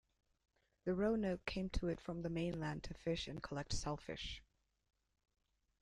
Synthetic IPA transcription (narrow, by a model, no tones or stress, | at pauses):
ðɨɹoʊnoʊt̚kʰẽɪ̃mtʰəɨtfɹʌ̃mðɨmẽɪ̃nlæ̃ntʰɨfɪʃɨ̃nkʰəlɛk̚tsɛlˠfɪ̰ʃ